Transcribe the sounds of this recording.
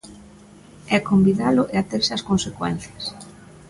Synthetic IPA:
ɛkombiðalʊʔeat̪eɾsɪaskonsekwɛ̰n̟θjɐs

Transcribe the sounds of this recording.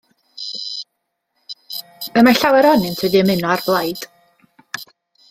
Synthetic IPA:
əmaɬawɛɾɔnɨntʰwɨdiəmɪnɔarblˠajd̥

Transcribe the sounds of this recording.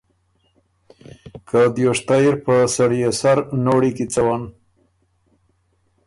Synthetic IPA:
kʰad̪joʂt̪ajiɾpəsaɽijesaɾnoɽikit͡sawan

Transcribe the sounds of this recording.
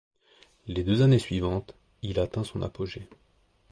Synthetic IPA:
led̪øzanesɥivɑ̃t̪ | ilat̪ɛ̃sɔ̃nʔa̰poʒe

